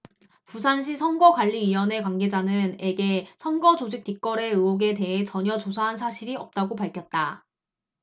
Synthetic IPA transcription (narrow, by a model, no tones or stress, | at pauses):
pus̬ʰanɕ̬ʰisʰʌnɡʌɡwaʎːiɥiwʌne̞kwaŋɡe̞d͡ʑanɯne̞ɡe̞sʰʌnɡʌd͡ʑod͡ʑik̚t͈ik͈ʌɾe̞ɯoɡe̞te̞ɦet͡ɕʌɲʌt͡ɕosʰaɦansʰaɕʰiɾiʌp̚t͈aɡopaɭkʰjʌt̚t͈a